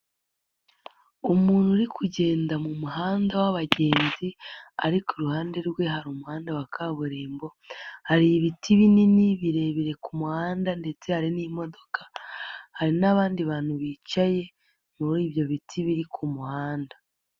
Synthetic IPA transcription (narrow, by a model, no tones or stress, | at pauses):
umuːnhuɾikʰuɟe̞ːndamumuɦaːndawaβaɟe̞ːnzia̰ɾikoɾuhaːnde̞ɾɡwe̞ɦaɾumuhaːndawakʰaβuɾeːmbo̞ | haɾijiβitʰiβininiβiɾe̞βiɾe̞kumuhaːndande̞t͡se̞haɾinimo̞do̞kḁhaɾinaβaːndiβaːn̥huβiːt͡ʃaje̞ | muiːβjo̞βitʰiβiɾikʰumuhaːnda